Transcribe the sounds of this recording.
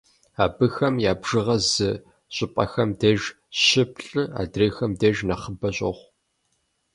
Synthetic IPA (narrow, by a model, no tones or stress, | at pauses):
aːbɨxɐmjaːbʒ̥ɨʁɐzɨ | ɕʼɪpʼɐxɐmdɐʒ | ɕɪp̚ɬʼɨa̰ːdreːxɐmdɐʒnɐχəbɐɕʼoχʷ